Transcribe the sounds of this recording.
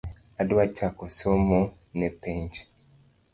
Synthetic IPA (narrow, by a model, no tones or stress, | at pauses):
adwacakosomo | nepeɲt͡ʃe̥